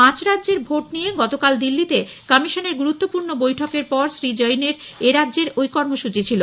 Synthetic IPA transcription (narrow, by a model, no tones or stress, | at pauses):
ãt͡ɕɾadʑeɾbʱoʈnijeɡɔt̪okald̪ilːit̪ekɔmiʃoneɾɡuɾut̪ːopuɾnobojʈʰokeɾpɔɾsɾid͡ʑɔjneɾeɾadːʑeɾojkɔɾmoʃut͡ɕit͡ɕʰilo